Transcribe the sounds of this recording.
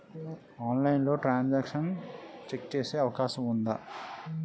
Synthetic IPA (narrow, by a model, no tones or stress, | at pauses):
aːnlɐjinlo̞ːʈɾaːnd͡ʒaːkʂɐnt͡ʃekt͡ʃeːse̞ːɐʋɐkaːʃɐmund̪ɐ